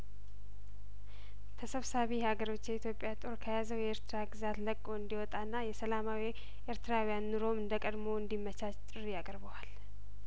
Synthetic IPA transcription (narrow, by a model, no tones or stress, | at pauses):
t̪ʰəsəβsaβihaɡəɾo̞t͡ʃːjɛit̪jo̞pʼjat̪ʼo̞ɾkʰəjazəwjɛɾt̪ʰɨɾaɡɨzat̪ləkʼːo̞ɨnd̪iwɔt̪ʼanːajɛsəlamawi | ʔeɾt̪ʰɨɾawijanːuɾo̞mɨnd̪əkʼəd̪mo̞ɨnd̪imːət͡ʃat͡ʃt͡ʃʼɪɾjakʼəɾβəwal